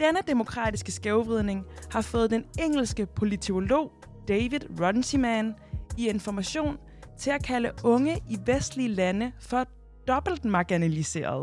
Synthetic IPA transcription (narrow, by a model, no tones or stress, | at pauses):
d̥enəd̥e̝mo̝kʰʁɑ̰̈ːd̥isɡ̥əsɡ̥eʊʋʁið̞ˠne̝ŋhɑ̈fɔ̽ːð̩ˠd̥eneŋ̰l̩sɡ̥əpʰo̝lit͡s̝ʰolo̝̰ː | d̥ɛɪʋiðˠʁɒnsimæn | ie̝nfɒmæɕo̝̰ːn | t͡sʰe̝lækʰæləɔ̽ŋəʔiʋesd̥lilænəfɒ̽ | d̥ɒ̽b̥l̩d̥mɑ̈ɡ̥inælise̝̰ːɐ̰ð̞ˠ